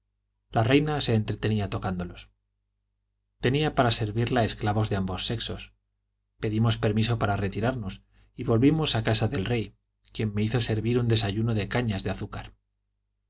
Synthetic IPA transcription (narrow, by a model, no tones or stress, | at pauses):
larejnase̞ːnt̪ɾe̞t̪e̞niat̪o̞kand̪o̞lo̞s | t̪e̞niapaɾase̞ɾβiɾlae̞sklaβo̞zðe̞ambo̞sːe̞kso̞s | pe̞ðimo̞spe̞ɾmis̬o̞paɾare̞t̪iɾaɾno̞s | iβo̞lβimo̞sakasaðe̞lre̞j | kje̞mːe̞iθo̞se̞ɾβiɾund̪e̞saʝuno̞ðe̞kaɲazðeaθukaɾ